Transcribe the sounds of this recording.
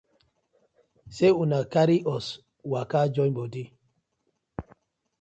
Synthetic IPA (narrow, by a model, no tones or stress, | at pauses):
seunakaɾiɔs | wakad͡ʒɔjbodi